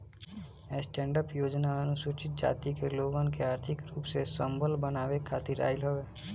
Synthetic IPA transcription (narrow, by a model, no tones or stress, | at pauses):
ɛsʈɛ̃ːɳɖəpjoːd͡ʒnaənusut͡ʃɪt̪̚d͡ʒa̰ːt̪ikeloːɡənkeaːɾt̪ʰɪkɾuːpsesə̃mbʱəlbənaːwekʰːaːt̪iɾa̰ːɪlɦoeː